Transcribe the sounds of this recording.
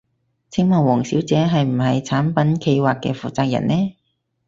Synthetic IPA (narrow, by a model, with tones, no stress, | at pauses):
t͡sʰɪ˥ŋmɐː˨˩nwɔː˨˩ŋsiː˨˥wt͡sɛː˨˥ɦɐ˨jm̩˨˩ɦɐ˨jt͡sʰaː˨˥npɐ˨˥nkʰe˧jwaː˨kːɛ̰ː˧fuː˨t͡saː˧k̚jɐ̰˨˩nɛː˥